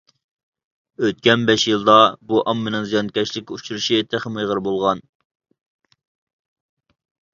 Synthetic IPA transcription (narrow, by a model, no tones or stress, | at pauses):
øt̪̚kʲɛnbɛʃjɨlˠd̪ɑbuʔɑmːɪnɨŋzijɑnkʲɛt͡ʃlɪkʲːɛut͡ʃʰuɾuʃit̪ʰeχəmɨjʁəɾbolˠʁɑn